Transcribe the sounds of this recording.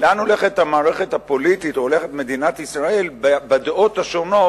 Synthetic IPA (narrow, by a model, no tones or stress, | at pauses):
leano̞le̞χet̪hamaːʁeχe̞thapo̞lit̪itoole̞χetme̞dinatisʁae̞lbabad̪othaʃo̞no̞